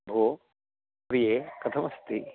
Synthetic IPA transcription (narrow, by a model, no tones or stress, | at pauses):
bʱo | pɾijeːkɐt̪ʰɐmɐst̪i